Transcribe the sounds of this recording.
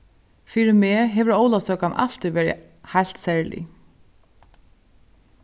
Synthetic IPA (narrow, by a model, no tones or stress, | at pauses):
fiːɾɪmeːɦɛʋɪɾoːwlasœːkamʔa̰l̥t̪ɪʋɛːɾɪ̰ | hajl̥t̪sɛɹlḭ